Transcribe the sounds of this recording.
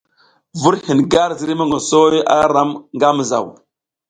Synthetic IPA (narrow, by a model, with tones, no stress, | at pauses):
vu˦ɾhi˨nɡa˦ɾzi˨ɾi˦ma˦ŋo˨so˦ja˦ɾa˦mŋɡa˦m˨za̰˨w